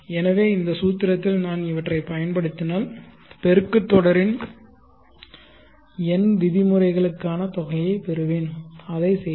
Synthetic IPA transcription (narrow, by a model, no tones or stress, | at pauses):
ɛnɐʋeːɪnd̪ɐsuːt̪ːɪɾɐt̪ːɪlnaːnɪʋɐʈrɐɪpɐjɐnpɐɽɯt̪ːɪnaːl | pɛɾɯkːɯt̪ːɔɽɐɾɪn | ɛnd̪ɪðɪmɯrɐɪɣɐɭɯkːaːnɐt̪ɔɣɐjɐɪpɛɾɯʋeːnɐðɐɪsɛ